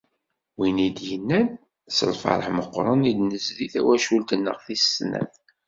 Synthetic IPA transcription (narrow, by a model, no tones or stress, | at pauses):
winid̪jənːæn | sə̰lfɑ̰ɾˤəħməqːɾˤənid̪nəsðiθæ̰wæʃult̪ənːə̰ʁθisːnæ̰θ